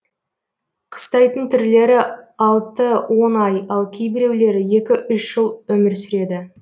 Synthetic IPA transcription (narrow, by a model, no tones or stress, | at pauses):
qʰə̥st̪ɑjt̪ənt̪ʰʏɾle̞ɾɪɑlˠt̪əwo̞nɑjɑlˠkʲʰejbɪɾe̞wle̞ɾɪje̞kʲɪʔʏʃʒ̥əlˠɵmɪɾsʏɾe̞d̪ɪ